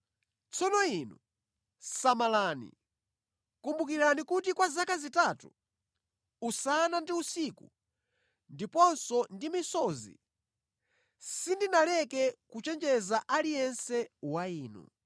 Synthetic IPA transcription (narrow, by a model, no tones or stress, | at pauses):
t͡sʰɔnɔinṵ | samalaːnḭ | kumbukiɾanikut̬ikwazakazitatu | usanandiusiku | ndipɔnsɔndimisɔzḭ | sindinalɛkɛkut͡ʃɛnd͡ʒɛzaʔalijɛnsɛwaiːnṵ